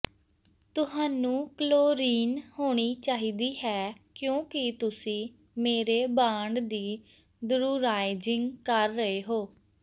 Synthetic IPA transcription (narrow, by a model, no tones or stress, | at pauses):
t̪ʊɦaːnũːkloːɾiːnhoːɽ̃iːt͡ʃaːɦiːd̪iːɦɛːkjõːkɪt̪ʊsĩː | meːɾeːbãːɳɖd̪iː | d̪ʊɾuːɾaːɪd͡ʒɪŋɡkəɾːəɦeːɦoː